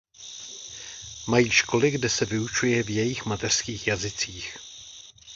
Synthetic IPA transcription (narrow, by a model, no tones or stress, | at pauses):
majiːʃko̞lɪɡdɛsɛvɪut͡ʃujɛvjɛjɪxmat̪ɛr̥skiːxjazɪt͡siːx